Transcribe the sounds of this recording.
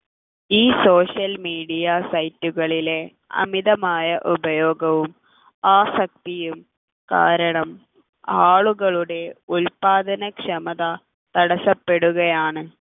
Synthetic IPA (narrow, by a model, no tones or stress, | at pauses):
iːso̞ːʂjɐlmiːɽijasɐjtːuɣɐɭile̞ | ɐ̰miðɐmaːjɐʔubɐjo̞ːɡɐʋum | aːsɐk̚t̪ijum | ka̰ːɾɐɳɐm | aːɭuɣɐɭuɽe̞ulpaːd̪ɐnɐkʂɐmɐðɐ | t̪ɐɽɐsɐpːe̞ɽuɣɐjaːɳɨ